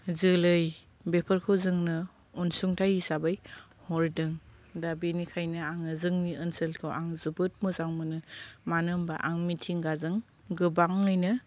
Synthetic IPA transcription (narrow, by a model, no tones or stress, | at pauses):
zɯlɯj | bepʰəɾkʰɯwzɯŋnɯ | unsuŋtʰajisabaj | hɔɾdɯŋ | dabinikʰajnɯaŋɯzɯŋniɯnselkʰɯwʔa̰ŋzɯbɯt̚mɯzaŋmɯnɯmanɯmba̰ʔaŋmitʰiŋɡazɯŋ | ɡɯbaŋɯjnɯ